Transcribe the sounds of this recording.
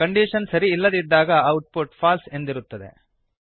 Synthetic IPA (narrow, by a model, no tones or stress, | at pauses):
kɐɳɖiːʂɐnsɐɾiːlːɐd̪id̪ːaːɡɐɐwʈ̚puʈpʰaːlse̞nd̪iɾut̪ːɐd̪e̞̰